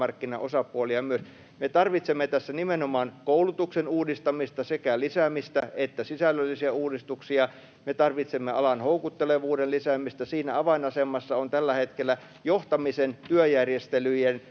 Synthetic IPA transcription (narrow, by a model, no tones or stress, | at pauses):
ɑrkːinɑ̰ʔosɑpuoliɑmyøs | met̪ɑrʋit̪semːet̪æsːænimenomɑːnkoulut̪uksenuːdist̪ɑmist̪ɑsekælisæmist̪æet̪ːæsisælːølːisiɑuːdist̪uksiɑ | met̪ɑrʋit̪semːeɑ̰lɑnhoukut̪ːeleʋuːdenlisæmist̪ɑsiːnæɑʋɑinɑsemˑɑsːɑont̪ælːæhet̪kelːˑæ | joht̪ɑmisent̪yøjærjest̪elyjen